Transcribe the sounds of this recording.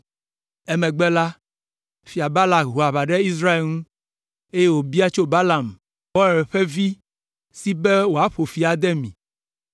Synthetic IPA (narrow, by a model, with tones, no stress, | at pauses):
ɛ˦mɛ̃˨ɡ͡bɛ˦la˦ | fi˨a˨ba˦la˨ɦu˨a˨βa˨ɖɛ˦i˦s̬ɾa˦e˨lŋũ˦ | e˦je˦wo˨bi˦a˦t͡ʃo˦ba˦la˨m | wɔ˦˨ɾɛ˨ɸɛ˦vi˦ | si˦bɛ˦wo˨a˦ɸo˨fi˨a˨d̪ɛ˦mĩ˨